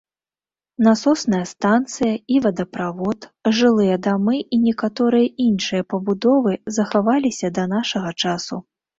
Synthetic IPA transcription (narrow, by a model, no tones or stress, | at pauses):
nɐsɔsnɐjɐst̪ant̪sɨjɐivɐd̪ɐpɾavɔt̪ʐɨlˠɨjɐd̪amɨinʲɛkat̪ɔɾɨjɐʔinʂɨjɐpɐbud̪ɔvɨzɐxavalʲisʲɐd̪ɐnaʂɐɣɐt͡ʂasu